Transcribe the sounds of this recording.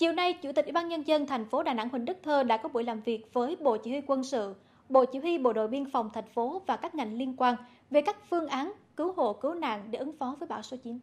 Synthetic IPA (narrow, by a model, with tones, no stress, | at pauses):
t͡ɕi˨˩əwna˧jt͡ɕu˧˩t̪i˨˩k̚wi˧˩ɓːnɲə˧nzə˧nt̪ʰɛ˨˩jŋ̟fo˨˦ɗaː˨˩na˧˥ŋhwï˨˩ŋ̟ɗɨ˦˥k̚t̪ʰəː˧ɗa̰ː˧˥kɔ˨˦ɓu˧˩əjlaː˨˩mvi˨˩ək̚vəː˨˦jɓo̰˧˨t͡ɕḭ˧˩hwi˧kwə˧nsɨ̰˧˨ | ɓo̰˧˨t͡ɕi˧˩hwi˧ɓo̰˧˨ɗo̰˧˨jɓi˧ənfa˨˩wŋ͡mt̪ʰɛ˨˩jŋ̟fo˨˦vaː˨˩kaː˦˥k̚ŋa˨˩jŋ̟li˧ənkwaː˧n | ve˨˩kaː˦˥k̚fɨ˧əŋʔaː˨˦nkɨ˨˦who̰˧˨kɨ˨˦wna̰ː˧˨ŋɗe˧˩ʔɨ˨˦ŋfɔ˨˦vəː˨˦jɓaː˧˩wso˨˦t͡ɕi˨˦n